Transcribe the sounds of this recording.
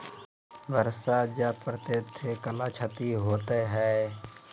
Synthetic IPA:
bəɾsad͡ʒapɾət̪et̪ʰekəlaːt͡ʃʰət̪iɦoːt̪eɦɛː

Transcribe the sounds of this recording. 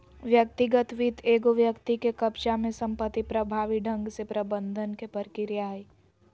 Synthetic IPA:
ʋjək̚t̪ɪɡət̪ʋit̪ʰeːɡoʋjəkt̪ikekɐpʃamẽsɐ̃mpət̪ːipɾɐbʱaːʋiɖʱə̃ŋɡsepɾɐbə̃nd̪ʱənkepəɾkɪɾjaːi

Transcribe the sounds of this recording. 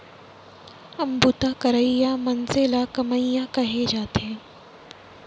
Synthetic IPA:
ɐmbut̪akɐɾəijamɐnzelakɐməjakɐɦed͡ʒaːt̪ẽː

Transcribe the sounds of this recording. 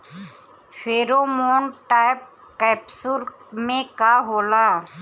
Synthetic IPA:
fʰeːɾoːmoːnʈaːɪp̚ | kɛːpsʊɾmẽkaɦoːlaː

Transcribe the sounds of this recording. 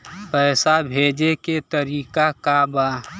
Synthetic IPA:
pɛːsabʱeːd͡ʒeket̪əɾiːkakaba

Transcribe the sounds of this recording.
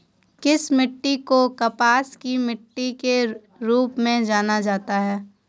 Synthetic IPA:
kɪsmɪʈːikokɐpaːskimɪʈːike | ɾuːpmẽd͡ʒaːnad͡ʒaːt̪aɦɛː

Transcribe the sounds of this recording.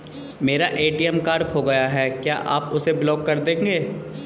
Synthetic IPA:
meːɾaʔeːʈiɛmkaːɾkɦoɡɐjaɦɛːkjaːʔa̰ːpʊseblɔːkːɐɾd̪ẽːŋɡeː

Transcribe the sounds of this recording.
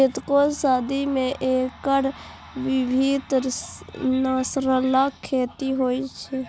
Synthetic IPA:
et̪kosaːd̪imẽʔekəɾ | ʋibʱid̪ | nasɾəlakʰːeːt̪iɦoit͡ʃʰɛ

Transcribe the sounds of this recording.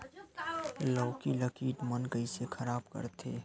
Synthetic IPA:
lɔːkiləkiːʈ̪mənɡəisekʰɐɾaːbkə̰ɾt̪ʰeː

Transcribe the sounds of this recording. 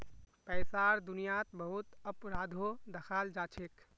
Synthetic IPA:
pɛɪsaɾd̪unijat̪bəɦut̪əpɾad̪ʱod̪əxʰald͡ʒat͡ʃʰek

